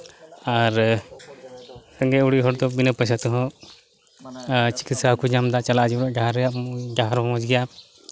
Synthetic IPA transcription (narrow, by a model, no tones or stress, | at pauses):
aɾ | səŋɡɛuɽiɦɔɾd̪ɔbinəpəsat̪ɔɦɔ̃ | t͡ʃi̥kit̪sakud͡ʒamd̪at͡ʃalaʔd͡ʒiɾaʔɡaɦɾjaʔɡaɦaɾmɔmɔd͡ʒɡɛja